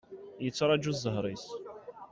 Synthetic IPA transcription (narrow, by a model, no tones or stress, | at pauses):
jət͡sːɾˤɑd͡ʒuzːˤəɦɾˤis